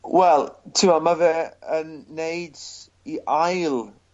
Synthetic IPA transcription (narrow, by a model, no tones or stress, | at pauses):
wɛlˠtʰɪmamavɛənːejd | iʔajlˠ